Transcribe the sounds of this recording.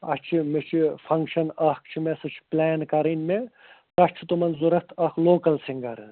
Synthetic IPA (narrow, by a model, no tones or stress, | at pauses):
ɐ̰st͡ʃʰimet͡ʃʰifʰɐŋkʃɐnɐhkt͡ʃʰimesɐt͡ʃʰi̥plɛːnkɐɾɐnme | t̪ɐt͡ʃʰit̪umɐnzuɾɐht̪ʰɐkʰloːkɐlsiŋɡɐɾ